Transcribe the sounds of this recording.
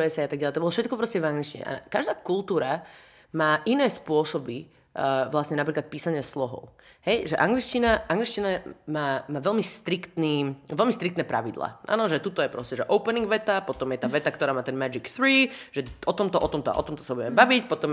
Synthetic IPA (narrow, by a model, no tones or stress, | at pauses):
ɛsɛjat̪aɡɟalɛt̪ɔbɔlɔfʃɛt̪kɔpɾɔscɛvaŋɡlit͡ʃciɲɛ̰ʔa̰kaʒd̪aːkulˠt̪uːɾa | maːʔinɛːspʊɔsɔbi | ʋlasɲɛnap̬ɾiːklat̪̚piːsaɲɪaslɔɦɔ̰ʊ | hɛjʒɛʔaŋɡlit͡ʃcinaʔaŋɡlit͡ʃcinamaːmaːʋɛlmist̪ɾikt̪niːʋɛlmist̪ɾikt̪nɛːpɾa̰ʋid̪lˠa̰ːʔa̰ːnɔʒɛt̪ut̪ɔjɛpɾɔscɛʒɛʔɔʊpɛniŋɡʋɛt̪apɔt̪ɔmjɛt̪aːʋɛt̪akt̪ɔɾaːmaːt̪ɛnmad͡ʒikθɾiːʒ̥ɛʔɔt̪ɔmt̪ɔʔɔt̪ɔmt̪ɔa̰ɔ̰t̪ɔmt̪ɔsabubɛmɛbaʋicpɔt̪ɔm